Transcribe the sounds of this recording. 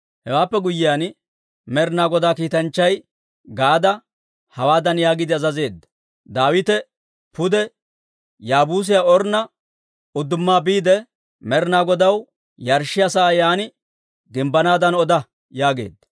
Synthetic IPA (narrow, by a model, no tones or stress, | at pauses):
hɛwaːpːɛɡʊjːɪjaːn | mɛɾnaːɡɔd̪aːkiːt̪ɐnt͡ʃːɐj | ɡaːd̪ɐ | hɐwaːd̪ɐnjaːɡɪd̪ɪɐzɐze̞ːd̪ːɐ | d̪aːwɪt̪ɛ | pʊd̪ɛ | jaːbuːs̬ɪjaɔɾnɐ | ʊd̪ʊmːaːbiːd̪ɛ | mɛɾnaːɡɔd̪ɐw | jɐɾʃɪjɐsaːjaːnɪ | ɡɪmbɐnaːd̪ɐnɔd̪ɐ | jaːɡḛːd̪ːɐ